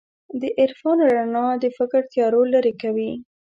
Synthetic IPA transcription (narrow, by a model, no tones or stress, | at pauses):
d̪əʔɪɾfɑnɾanɑd̪əfɪkɾt̪jɑɾolaɾekawi